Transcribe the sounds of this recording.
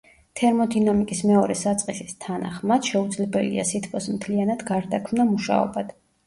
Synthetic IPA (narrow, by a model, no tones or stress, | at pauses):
t̪ʰɛɾmɔd̪inamikʼismɛɔɾɛsat̪sʼqʼisist̪ʰana̰χmad̪̥ʃɛud̪zlɛbɛlḭa̰sit̪ʰpʰɔsmt̪ʰlianad̪ɡaɾd̪akʰmnamuʃa̰ɔ̰bad̪̥